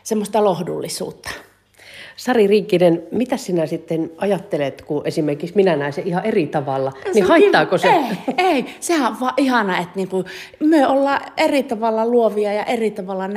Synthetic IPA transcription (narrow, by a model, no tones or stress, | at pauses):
semːost̪ɑlohdṵlːisṵːt̪ːɑ̥ | sɑririːkːinenmit̪æssinæsit̪ːenɑjɑt̪ːelet̪kuʔesimerkiksminænæˑeseihɑʔerit̪ɑʋɑlːɑnihɑit̪ːɑːkoseeˑisehæʋʋɑːʔihɑnɑet̪niːŋku | myøolːɑːʔerit̪ɑʋɑlːɑluoʋiɑjɑʔerit̪ɑʋɑlːɑn